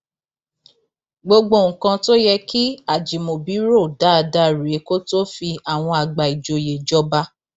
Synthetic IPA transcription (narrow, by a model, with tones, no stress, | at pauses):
ɡ͡bo˧ɡ͡bo˧˨ŋ̩˨kã˧to˦jɛ˧ki˦a˦˨d͡ʒi˨mo˨bi˨˦ɾo˦˨da˨˦˧da˦ɾe˨˦ko˦to˦fi˧a˨w̃ɔ̃˧a˨ɡ͡ba˨i˨d͡ʒo˨je˨d͡ʒɔ˦ba˦